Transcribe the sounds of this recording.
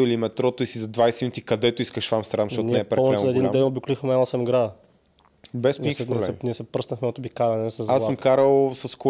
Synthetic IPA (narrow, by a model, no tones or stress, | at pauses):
ilimɛt̪ɾɔt̪oisizɐd̪vajsɛminut̪ikɐd̪ɛt̪oiskəʃfamst̪ɾamʃt̪ɔt̪inɛpɾɛɔɛzɐɛd̪indɛnobikolixmɛmɛnɔsɛmɡɾad̪ə | bɛsinɛsɛniɛsɛpɾɤəsnəxmɛnot̪ʊbikaɾɐnɛsɛzasːəmkaɾəlˠsɐsko